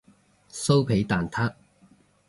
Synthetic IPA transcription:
so˥wpʰe˨˥jt̪aː˨nt̪ʰaː˥k̚

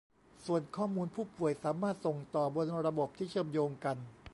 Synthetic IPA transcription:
su˨˩ənkʰɔː˥˩muː˧npʰuː˥˩pu˨˩əjsaː˩˦maː˥˩t̪̚so˨˩ŋt̪ɔː˨˩bo˧nɾa˧bo˨˩p̚t̪ʰiː˥˩t͡ɕʰɤː˥˩mjoː˧ŋka˧n

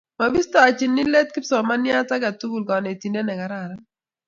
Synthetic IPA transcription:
ma˨bi˦stɔ˦a˨t͡ʃɪ˨nːɪ˦lɛ˦t̚kɪ˦psɔ˨ma˦nja˦ta˦ɡa˨tu˦ɡu˨lkɔ˨ne˨ti˨nde˦nɛ˨ɡa˨ɾa˨ɾa˦

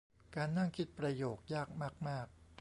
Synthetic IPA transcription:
kaː˧nːa˥˩ŋkʰi˦˥t̪̚pɾa˧joː˨˩k̚jaː˥˩k̚maː˥˩k̚maː˥˩k̚

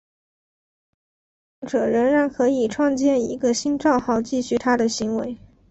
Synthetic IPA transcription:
ŋʈ͡ʂɤ˨˩ɻə˧˥nɻa˧˥ŋkʰɤ˧˥i˨˩ʈ͡ʂʰwɑ˥˧ŋt͡ɕjɛ˥˩ni˧˥ɡə˧ɕi˥nʈ͡ʂɑ˥˧ʊxɑ˥˧ʊt͡ɕi˥˧ɕy˥˩t̪ʰa˥d̪ə˨ɕi˧˥ŋwe˧˥ɪ

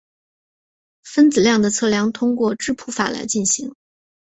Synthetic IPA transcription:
fə˥nt͡sɹ̩˨˩ljɑ˥˩ŋd̪ə˩t͡sʰɤ˥˩ljɑ˧˥ŋt̪ʰʊ˥ŋkwɔ˥˩ʈ͡ʂɻ̩˥pʰu˥fa̰˨˩la̰˧˥ɪt͡ɕi˥˩nɕi˧˥ŋ

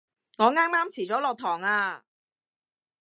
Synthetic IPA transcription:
ŋɔː˨˧ŋaː˥ŋmaː˥mt͡sʰiː˨˩t͡sɔː˨˥lɔː˧k̚t̪ʰɔː˨˩ŋaː˧

